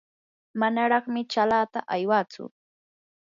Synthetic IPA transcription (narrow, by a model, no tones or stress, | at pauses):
manaɾɑχmɪt͡ʃalaːt̪a̰ʔajwat͡sʊ̰